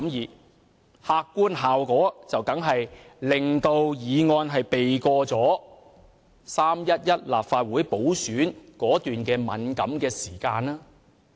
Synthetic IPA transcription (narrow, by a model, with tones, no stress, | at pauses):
mjiː˨ | haː˧kːuː˥nɦaː˨wkɔː˨˥t͡sɐ˨wkɐ˨˥ŋɦɐ˨j | lɪ˨˩ŋt̪o˧wjiː˨˧ŋɔː˧nɦɐ˨jpe˨jkɔː˧t͡sɔː˨˥ | saː˥mjɐ˥t̚jɐ˥t̚laː˨p̚faː˧t̚wuː˨˥jpo˨˥wsyː˨˥nkɔː˨˥t̪yː˨nkɛː˧mɐ̰˨˥nkɐ˨˥mkɛː˧siː˨˩kaː˧naː˥